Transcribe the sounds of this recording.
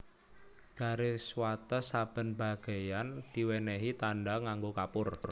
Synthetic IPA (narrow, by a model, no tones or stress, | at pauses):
ɡ̥a̤ɾeswat̪əsab̥ə̤nba̤ɡ̥a̤jand̪̥i̤wɛneɦit̪anɖaŋaŋɡokapʊr